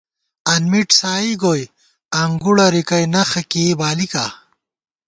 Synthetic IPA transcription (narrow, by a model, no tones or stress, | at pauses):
ɐnmiʈsaːiɡoj | ɐŋɡuɽɐɾikɐjnɐxɐkebaːlikaː